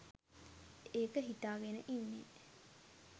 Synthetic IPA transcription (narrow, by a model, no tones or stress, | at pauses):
eːkəɦit̪aːɡenəʔinːe